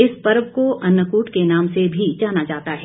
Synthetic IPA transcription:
ɪspɐɾbkoʔɐnːəkuːʈkenãːmsebʱid͡ʒaːnad͡ʒaːt̪aɦɛ

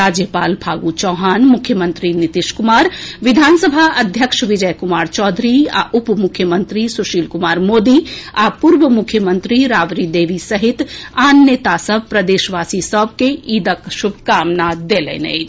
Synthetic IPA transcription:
ɾaːd͡ʒjəpaːlbʱaːɡut͡ʃɔːɦaːnmukʰːjəmənt̪ɾinit̪iʃkumaːɾʋid̪ʱaːnsəbʱaʔɐd̪ʱjəkʃʋid͡ʒəjkumaːɾt͡ʃɔːd̪ʱɾia̰ʔupmukʰːjəmənt̪ɾisuʃiːlkumaːɾmoːd̪iapuɾʋəmukʰjəmənt̪ɾiɾaːʋɾid̪eːʋisəɦit̪aːnːet̪asəb̚ʱpɾəd̪eːʃʋaːsisəb̚ʱkeid̪əkʃubʱkaːmnad̪elɛ̰nɛ̰ɪ

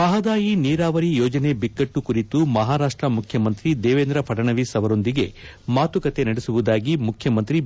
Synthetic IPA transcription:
mɐɦɐd̪aːjiniːɾaːʋɐɾijoːd͡ʒɐne̞bikːɐʈːukuɾit̪umɐɦaːɾaːʂʈɾɐmukʰjɐmɐnt̪ɾid̪eːʋeːnd̪ɾɐpʰɐʈɐɳɐʋisɐʋɐɾo̞nd̪iɡe̞ | maːt̪ukɐt̪e̞nɐɽesuʋud̪aːɡimukʰjɐmɐnt̪ɾi

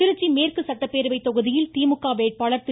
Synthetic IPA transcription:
ɪɾɯt͡ʃːimeːrkɯsɐʈːɐpːeːɾɯʋɐɪt̪ːɔɣɯðɪjɪlt̪iːmɯkːaːʋeːʈ̚paːɭɐɾt̪ɪ

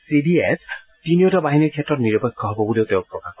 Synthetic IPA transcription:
sidies | tinijɔtabaɦiniɹkʰɛtɹɔtniɹɔpɔkʰːɔɦɔbɔbuleʊtɛʊ̃pɹɔkax

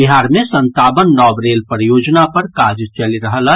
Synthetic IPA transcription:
biɦaːɾmẽsə̃nt̪aːbənɖɔːbɾeːlpəɾjoːd͡ʒnapəɾkad͡ʒt͡ʃəliɾəɦəl

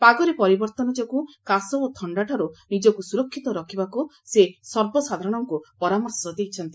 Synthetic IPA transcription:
paɡɔɾepɔɾibɔɾt̪ɔnɔd͡ʒɔkukasɔot̪ʰɔɳɖaʈʰaɾunid͡ʒɔkusuɾɔkʰːit̪ɔɾɔkʰibaku | sesɔɾbɔsad̪ʱaɾɔɽ̃ɔŋkupɔɾamɔɾsɔd̪ejt͡ʃʰɔnt̪i̥

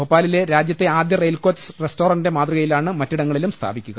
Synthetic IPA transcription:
opːaːlile̞ɾaːd͡ʑjɐt̪ːe̞aːd̪jɐrejlko̞ːt͡ɕːsresto̞ːrɐnde̞maːd̪ruɣɐjilaːɳɨmɐtːiɽɐŋːɐɭilumst̪ʰa̰ːbikʲːuɣɐ

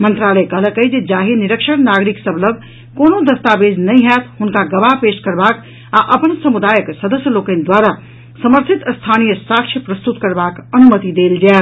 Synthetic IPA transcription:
mənt̪ɾaləkəɦləkəjd͡ʒed͡ʒaɦiniɾəkʃəɽnaɡɾiksəbʱləb | konod̪əst̪abed͡ʒnəjɦɛt̪ɦunkaɡəʋaɦpeskəɾbak | aʔəpənsəmud̪ajəksəd̪əsjəlokə̃nd̪waɾa | səməɾt̪ʰit̪əst̪ʰanijəsakt͡ʃʰjəpɾəst̪ut̪kəɾbakənumət̪id̪eld͡ʒaet̪

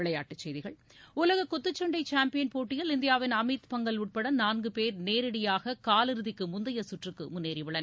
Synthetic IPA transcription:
ɪɭɐjaːʈːɯt͡ʃːɛjðɪɣɐɭ | ʊlɐɣɐkːɔt̪ːɯt͡ʃːɔɳɖɐɪt͡ʃaːmpɪjɐnpoːʈːɪjɐlɪnd̪ɪjaːʋɪnɐmɐɪt̪pɐŋɡɐlʊʈ̚pɐɽɐnaːnɡɯpeːɾneːɾɪɽɐjaːɣɐkaːlɪɾɯðɪkːɯmʊnd̪ɐjɐsʊʈrɯkːɯ̰mʊnːeːɾiʋɪɭɐn

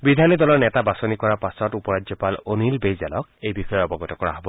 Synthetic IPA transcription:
bidʱanɔdɔlɔɹnɛtabasɔnikɔɹapasɔtupɔɹad͡ʒzɔpalonilbejzalɔkejbixɔjɔɔbɔɡɔtɔkɔɹa̰ɦɔbɔ

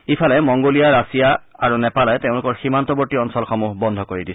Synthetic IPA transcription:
ipʰalɛmɔŋɡolijaɹasijaaɹunɛpalɛtẽʊ̃lʊkɔɹximant̪ɔbɔɹtiɔnsɔlxɔmuɦbɔnd̪ʱɔkoɹidisʰ

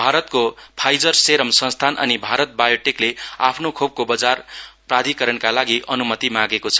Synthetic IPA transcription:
bʱaɾʌt̪kopʰajd͡zʌrseɾʌmsʌ̃st̪ʰanʔʌ̰nibʱaɾʌt̪̚bajoʈeklea̰pʰnokʰob̚kobʌd͡zarprad̪ʱikʌɾʌnkalaɡiʔʌnumʌt̪imãɡekot͡sʰʌ̥

